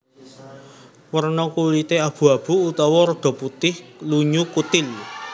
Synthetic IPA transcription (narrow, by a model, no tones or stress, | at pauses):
wərnɔkulit̪eab̥ṳab̥ṳut̪ɔwɔɾɔɖ̪̥ɔ̤put̪ɪhluɲukut̪ɪl